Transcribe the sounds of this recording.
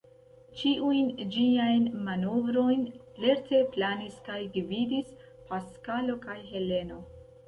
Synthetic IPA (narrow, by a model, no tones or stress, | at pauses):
t͡ʃiʔujnd͡ʒiajnmanovɾo̞jn | le̞ɾte̞planiskajɡvidis | paskalo̞kajɦe̞le̞no̞